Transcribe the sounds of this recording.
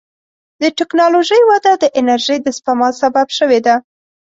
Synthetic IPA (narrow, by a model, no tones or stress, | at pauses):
d̪əʈɪknɑloʒəjwad̪ad̪əʔɪnaɾʒəjd̪əspamɑsababʃəwed̪a